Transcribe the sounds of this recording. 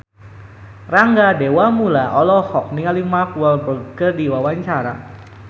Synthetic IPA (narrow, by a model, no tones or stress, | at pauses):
raŋɡadewamulaʔɔlɔhɔk̚niŋalimapualbəkərdiwawaɲt͡ʃaɾa